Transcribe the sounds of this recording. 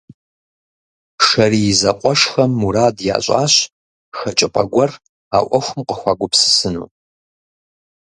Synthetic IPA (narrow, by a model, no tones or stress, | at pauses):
ʂɐrijɪzɐqʷʼɔʂxɐmːuɾaːdja̰ːɕʼa̰ːɕ | xɐt͡ʃʼɪpʼɐɡʷɔr | aːʔʷɔxʷʊmqʼəxʷaːɡʷʊpsɨ̥sɨnṵː